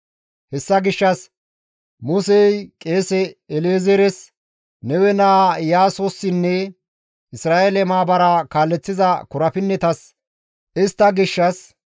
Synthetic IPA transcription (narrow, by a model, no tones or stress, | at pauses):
hɛsːɐɡɪʃːɐs | mʊsɛjkʼe̞ːsɛɛleːzɛɾɛs | nɛwɛnaːjaːsosːɪnːɛ | ɪsɾaːʔelɛmaːbɐɾɐkaːlːɛt͡sːɪzɐkʊɾɐfɪnːɛt̪ɐs | ɪst̪ːɐɡɪʃːɐs